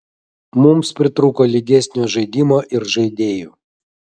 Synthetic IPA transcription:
mʊmspʲɾʲɪt̪ɾukoːlʲiɡʲɛsʲnʲoːʒɐɪd̪ʲimoːʔɪɾʒɐɪd̪ʲeːjuː

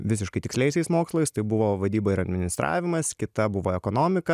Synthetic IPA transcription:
ʋʲɪsʲɪʃkɐɪt̪ʲɪksʲlʲɛɪsʲɛɪsmoːkslˠɐɪst̪ɐɪbʊʋoːʋɐd̪ʲiːboːɪɾɐd̪ʲmʲɪnʲɪst̪ɾʔɑ̰ːʋʲɪmɐskʲɪt̪ɐbʊʋoːɛkoːnoːmʲɪkɐ

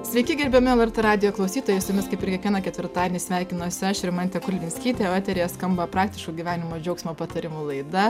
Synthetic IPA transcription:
sʲʋʲɛɪkʲɪɡʲɛɾʲbʲɛmʲɪɛlˠɛrt̪eːɾɑːd̪ʲɪjoːklˠɐʊsʲiːt̪ojɛɪsjɪmʲɪskɐɪpʲɪɾʲkʲɛkʲiɛnɐkʲɛt̪ʲʋʲɪɾt̪ɑːdʲenʲisʲʋʲæːɪkʲɪnoːsʲɐʃʲɾɪmɐnt̪ʲɛkʊlʲʋʲɪnʲsʲkʲiːt̪ʲeoːt̪ʲɛɾʲejɛskɐmbɐpɾɑːk̚t̪ʲɪʃkuːɡʲiʋʲæːnʲɪmoːd͡ʒʲɛʊksʲmʲoːpɐt̪ɐɾʲɪmuːlˠɐɪd̪ɐ

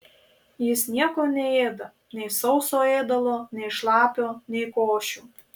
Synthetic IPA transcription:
jɪsnʲiɛkoːnʲɛeːd̪ɐ | nʲɛɪsɒʊsoːeːd̪ɐʋoːnʲɛɪʃlˠɑːpʲoːnʲɛɪkoːʃʲuː

